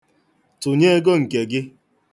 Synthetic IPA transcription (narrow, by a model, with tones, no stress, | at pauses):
tʊ˨ɲe˦e˦ɡo˦ŋ̩˨ke˨ɡɪ˦